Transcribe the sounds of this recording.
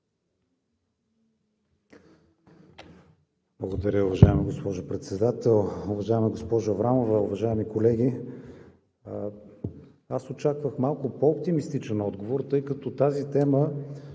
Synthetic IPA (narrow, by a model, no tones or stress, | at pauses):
blˠɐɡod̪ɐɾʲəʊvɐʒaɛmiɡospɔʒʊpɾɛt̪sɛd̪at̪ɛlˠʊvɐʒaɛmiɡospɔʒʊvɾamovɛʊvɐʒaɛmikolɛɡ̟ʲi | asot͡ʃakvəxmalˠkʊpoːp̚t̪imist̪it͡ʃɛnɔd̪ɡovoɾt̪ɤjkɐt̪ɔt̪azit̪ɛmə